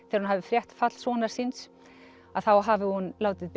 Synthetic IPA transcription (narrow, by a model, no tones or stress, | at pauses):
θɛːɾhunhavɪfɾjɛht̪fat̪l̥svɔːnaɾ̥sins | aðθawɦavɪhunlaːwt̪ɪðp